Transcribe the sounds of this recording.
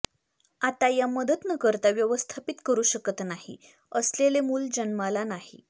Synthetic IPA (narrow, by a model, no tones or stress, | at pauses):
at̪ajaməd̪ət̪nəkəɾt̪aʋjəʋəst̪ʰapit̪kəɾuːɕəkət̪nahḭ | əslelemuːld͡ʑənmalanaɦḭ